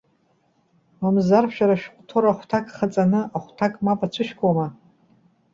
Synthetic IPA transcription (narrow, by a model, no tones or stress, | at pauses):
mamzarʃᶣaɾaʃᶣqʷʼtʰoɾaχʷtʰakʼχat͡sʼanɨʔaχʷtʰakʼmapʼat͡ɕʷʰɨʃkʷʼoma